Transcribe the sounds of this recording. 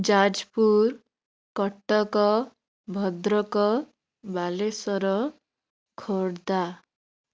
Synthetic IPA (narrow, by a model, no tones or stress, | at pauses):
d͡ʒad͡ʒpuɾ | kɔʈːɔkɔ | bʱɔd̪ɾɔkɔ | balesɔɾɔ | kʰoɽd̪a